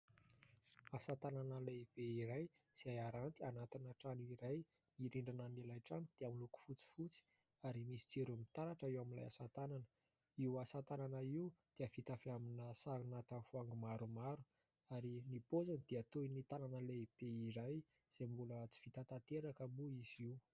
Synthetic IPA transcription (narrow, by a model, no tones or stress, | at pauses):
asat̪ananəleb̥eiɾaj | z̥iajaɾant̪ianat̪inaʈ͡ʂanuiɾaj | niɾiɳɖ͡ʐinamelajʈ͡ʂanud̪̥eamiluku̥fut͡si̥fut͡si̥ | aɾimisi̥t͡siɾumit̪aɾaʈ͡ʂaiwaminla̰jasat̪ananə̥ | iwasat̪ananaiud̪̥eəfit̪afiaminəsaɾunat̪afuaŋɡumaɾumaɾu | aɾinipozanid̪̥eat̪oinit̪ananəleb̥eiɾaj | z̥embulət͡si̥fit̪at̪at̪eɾakəmuiz̥iw